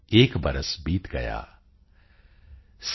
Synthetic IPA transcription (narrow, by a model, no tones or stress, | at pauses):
eːkbɐɾəsbiːt̪ɡɐ̰ja̰ː | s